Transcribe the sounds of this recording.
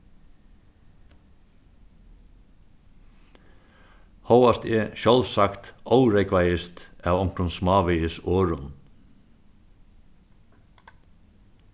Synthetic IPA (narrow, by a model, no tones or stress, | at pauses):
hɔwast̪ɛʃɔlsakt̪ɔwɾɛkvajɪst̪ævɔŋ̥kɾʊnsmɑːʋɪjɪsoːɾʊn